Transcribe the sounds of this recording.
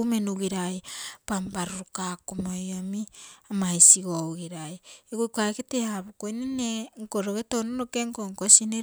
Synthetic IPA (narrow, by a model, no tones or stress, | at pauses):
menuɣiɾajpambaɾuɾukakumojomiamajsiɡowɣiɾajeɡujkaeketeaβukojneneŋkoɾoɡetononokeŋkoŋkosine